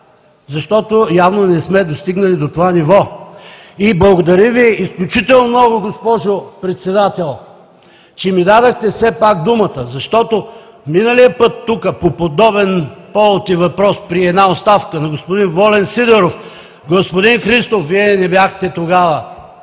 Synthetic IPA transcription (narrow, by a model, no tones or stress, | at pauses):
zɐʃt̪ɔt̪ojavnonɛsmɛd̪ost̪iɡnɐlid̪ot̪ovanivɔ | iblˠɐɡod̪ɐɾiviisklʲut͡ʃit̪ɛlˠnomnɔɡʊɡospɔʒopɾɛt̪sɛd̪at̪ɛlˠ | t͡ʃɛmid̪ad̪əxt̪ɛsɛpakd̪umət̪əzɐʃt̪ɔt̪o | minəlijəpɤt̪ːukəpopod̪ɔbɛnpɔlˠt̪ivɐpɾɔspɾiɛd̪naot̪st̪afkənɐɡospod̪invɔlɛnsid̪ɛɾof | ɡospod̪inxɾist̪ofviɛnɛbʲjaxt̪ɛt̪oɡavə